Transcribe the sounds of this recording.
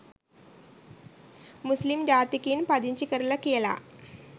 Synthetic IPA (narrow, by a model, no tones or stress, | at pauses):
muslimd͡ʑat̪ikiːnpad̪iɲt͡ɕikəɾləkela̰